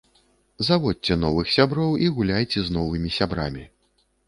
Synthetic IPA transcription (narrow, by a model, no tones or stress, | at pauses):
zavɔt̚ʲt͡sʲɛn̪ɔvɨxsʲabɾɔwiɣulʲajt͡sʲɛznɔvɨmʲisʲabɾa̰mʲi